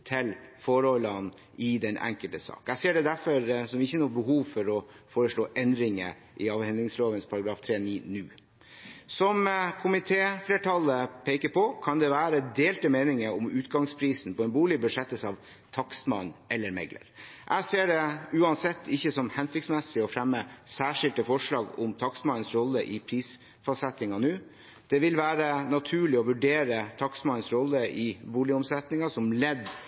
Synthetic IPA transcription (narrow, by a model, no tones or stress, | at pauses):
t̪ʰɪlfɔɾɔlːən | ɪd̪ɛnʔæ̰ŋkəlt̪əsɑ̰ːkæseːɖɛd̪æɾfɔɾsɔmɪçːənuːbəɦuːʋfɔɾɔ | foːɾəʂɭoːʔɛnd̪ɾɪŋə̰ | ʔɪɑːʋhɛnd̪ɾɪŋsloːʋənspʰɑɾɑɡɾɑːft̪ʰɾeːniːnʉ̰ː | sɔmkʰʊmɪt̪ʰeːfleːʈʰɑləpʰeɪkəɾpʰɔkʰɑnd̪ɛʋæːɾəd̪eːlt̪əmeːnɪŋəɔmʉːt̪ɡɑŋspʰɾiːsn̩pɔɛnbuːɭɪbʉʂɛt̪ːəsɑʋ | t̪ʰɑksmɑ̰nʔɛlːəɾmɛ̰ɡlʔə̰ɾʔæɪseːɖɛʉːɑnsɛt̪ʰːɪçːəsɔmhɛnsɪkt̪smɛsːɪɔfɾɛmːəsæːʂɪlt̪əfɔʂɭɑːɡɔ̰mt̪ʰɑksmɑnənsɾɔlːəʔɪpʰɾiːs | fɑsɛt̪nɪŋɑnʉː | d̪̥ɛʋɪlʋæːɾənɑt̪ʰʉːɭɪɔʋʉɖeːɾət̪ʰɑksmɑnːənsɾɔlːəʔɪbuːlɪʊmsɛt̪nɪŋɑsɔmlɛd̪ː